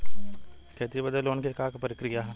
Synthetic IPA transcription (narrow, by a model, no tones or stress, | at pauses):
kɛːt̪ibɐd̪eloːnkekakpəɾɪkɾijaɦ